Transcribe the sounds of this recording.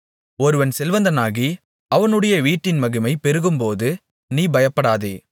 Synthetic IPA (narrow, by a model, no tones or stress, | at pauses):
ɔɾɯʋɐnsɛlʋɐnd̪ɐnaːɣi | ɐʋɐnɯɽɐjɐʋiːʈːɪnmɐɣɯmɐɪpɛɾɯɣɯmpoːðɯ | niːbɐjɐpːɐɽaːðḛː